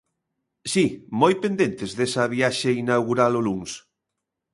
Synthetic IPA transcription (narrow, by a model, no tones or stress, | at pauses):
simojpend̪ent̪ezðesɐβ̞iaʃeinawɣuɾaloluŋs